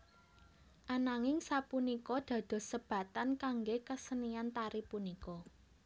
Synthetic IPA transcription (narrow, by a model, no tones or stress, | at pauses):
ʔanaŋɪŋsapunikɔd̪̥ä̤d̪̥o̤səb̥ä̤t̪ankaŋɡekəsəniant̪aɾipunikɔ